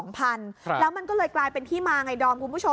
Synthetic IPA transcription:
ŋpʰa˧nlɛː˦˥wma˧nkɔː˥˩lɤː˧jklaː˧jpe˧nt̪ʰiː˥˩maː˧ŋa˧jdɔː˧mkʰu˧nbu˦˥t͡ɕʰo˧

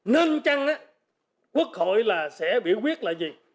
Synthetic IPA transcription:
nəː˧nt͡ɕa˧ŋʔaː˨˦ | kwu˦˥ək̚ho̰˧˨jlaː˨˩sɛ̰˧˥ɓḭ˧˨əwkwi˦˥ət̚laː˨jzi˨˩

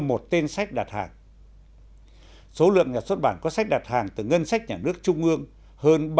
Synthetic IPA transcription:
mo˨˩t̚t̪e˧nsa˦˥jk̚ɗa˨˩t̚ha̰ː˨˩ŋ | so˨˦lɨ̰˧˨əŋɲaː˨˩swə˦˥t̚ɓaː˧˩nkɔ˨˦sa˦˥k̚ɗa˨˩t̚haː˨˩ŋt̪ɨ˨˩ŋə˧nsa˦˥jk̟̚ɲaː˨˩nɨ˦˥ək̚t͡ɕʊ˧ŋ͡mʔɨ˧əŋ | həː˧nɓ

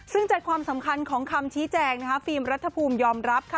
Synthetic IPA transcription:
sɯ˥˩ŋt͡ɕa˨˩t̪̚kʰwaː˧msa˩˦mkʰa˧nkʰɔː˩˦ŋkʰa˧mt͡ɕʰiː˦˥t͡ɕɛː˧ŋna˥kʰa˦˥fiː˧mɾa˦˥t̪ʰːa˧pʰuː˧mjɔː˧mɾa˦˥p̚kʰa˥˩

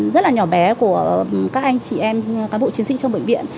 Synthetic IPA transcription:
zə˦˥t̚laː˨˩ɲɔ˧˩ɓɛ˨˦ku˧˩əkaː˦˥k̚ʔa˧jŋ̟t͡ɕi˧˨˩ʔɛ˧mkaː˨˦ɓo̰˧˨t͡ɕi˨˦əsḭ˧˨t͡ɕɔ˧wŋ͡mɓḛ˧˨ŋ̟vḭ˧˨ən

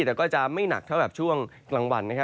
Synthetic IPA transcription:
ɛː˨˩kɔː˥˩t͡ɕa˨˩ma˥˩jna̰˨˩k̚t̪ʰa˥˩wkɛː˨˩pt͡ɕʰu˥˩əŋklaː˧ŋwa˧nːa˦˥kʰa˦˥

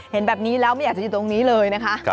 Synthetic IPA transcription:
he˨˩˦nbɛː˨˩p̚niː˨˦˥lɛː˦˥wa˧˥jaː˨˩t͡ɕaː˧˩˧t̪ːŋniː˨˦˥lɤː˧jna˦˥kʰa˦˥ʔ

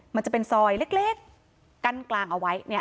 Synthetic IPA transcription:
ma˧nt͡ɕa˨˩pe˧nsɔː˧jle˦˥˩k̚leː˥˩kː | a˧nklaː˧ŋʔa˧˩wa˦˥jni˦˥˩ɐ

